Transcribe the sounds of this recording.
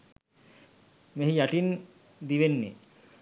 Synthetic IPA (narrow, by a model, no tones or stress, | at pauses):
meɦijaʈin | d̪iʋenːḭ